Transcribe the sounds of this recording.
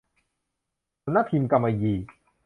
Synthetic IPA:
u˧˦nːa˦˥t̪ʰi˧mka˧mːa˧jiː˧˩

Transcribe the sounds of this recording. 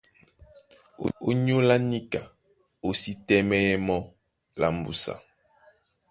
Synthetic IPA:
o̰˦o̰˦ɲ˦o˦la˦ni˦ka˨ | o˨si˦tɛ˦mɛ˦ɛ˦mɔ˦ | la̰˨m˨bṵ˨sa̰˨

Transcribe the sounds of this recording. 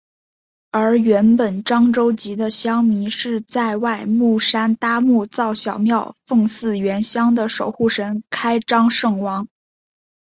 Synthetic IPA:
ə˞˧˥ɥɛ˧˥npə˨˩nʈ͡ʂɑ˥ŋʈ͡ʂo˥ʊt͡ɕi˧˥d̪ə˧ɕjɑ˥ŋmi˧˥ʂɻ̩˥˧t͡sa˥˧ɪwa˥˧ɪmu˥˩ʂa˥nt̪a˥mu˥˩t͡sɑ˥˩ʊɕjɑ˨˩ʊmjɑ˥˧ʊfɤ˥˧ŋsɹ̩˥˩ɥɛ˧˥nɕjɑ˥ŋd̪ə˨ʂo˨˩ʊxu˥˩ʂə˧˥nkʰa˥ɪʈ͡ʂɑ˥ŋʂɤ˥˩ŋwɑ˧˥ŋ

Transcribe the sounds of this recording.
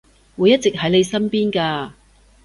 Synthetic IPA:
wu˨˧jːɐ˥t̚t͡sɪ˨k̚ɦɐ˨˥jne˨˧jsɐ˥npiː˥nkaː˧

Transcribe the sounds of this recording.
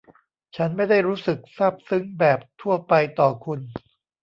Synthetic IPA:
t͡ɕʰa˦˥nma˥˩jda˥˩jɾuː˦˥sɯ˨˩k̚sa˥˩p̚sɯ˦˥ŋbɛː˨˩p̚t̪ʰu˥˩ɐpa˧jt̪ɔː˨˩kʰu˧n

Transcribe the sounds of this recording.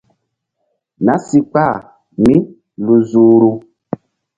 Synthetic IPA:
na˨˦si˦k͡pa˦˨ | mĩ˦ | lu˨zuː˨ɾu˦

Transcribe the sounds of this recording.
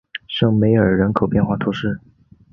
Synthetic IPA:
ʂɤ˥˩ŋme˧˥ɪə˞˨˩ɻə˧˥nkʰo˨˩ʊpjɛ˥˧nxwa˥˩t̪ʰu˧˥ʂɻ̩˥˩

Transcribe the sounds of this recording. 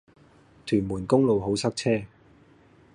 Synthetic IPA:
t̪ʰyː˨˩nmuː˨˩nkʊ˥ŋlo˨wɦo˨˥wsɐ˥k̚t͡sʰɛː˥

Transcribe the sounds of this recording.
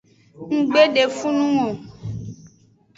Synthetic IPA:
ŋ̩˦ɡ͡be˦ɖe˨fũ˦nũ˦o˨

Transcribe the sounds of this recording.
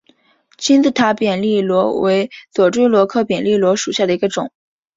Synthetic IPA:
t͡ɕʰi˥nt͡s̩˥˩t̪ʰa˧˥pjɛ˨˩nli˥˩lwɔ˧˥we˧˥ɪt͡swɔ˨˩ʈ͡ʂwe˥ɪlwɔ˧˥kʰɤ˥pjɛ˨˩nli˥˩lwɔ˧˥ʂu˨˩ɕja˥˩d̪ə˩i˧˥ɡə˧ʈ͡ʂʊ˨˩˦ŋ

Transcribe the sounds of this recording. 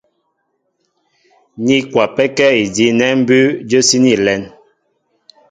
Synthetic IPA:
ɲi˦kwa˨pɛ˦kɛ˦i˨di˨˦nɛ˦m̩˦bʉ˦d͡ʒə˦si˦ni˦˨lɛ˨˦n

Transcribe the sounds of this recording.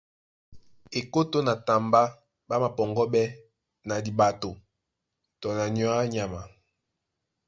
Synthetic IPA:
e˨ko˦to˦na˨ta˨mba˦ | ba˦ma˨pɔ˨ŋɡɔ˦bɛ˦ | na˨di˨ba˨to˨ | tɔ˨na˨njɔ˦a˦ɲa˨ma˨

